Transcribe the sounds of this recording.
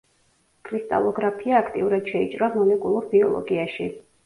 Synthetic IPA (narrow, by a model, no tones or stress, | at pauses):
kʰʼɾist̪ʼa̰lˠɔɡɾapʰiaːkʰt̪ʼiuɾad̪̥ʃɛit͡ʃʼɾamɔlɛkʼulˠuɾbiɔ̰lˠɔ̰ɡiaʃi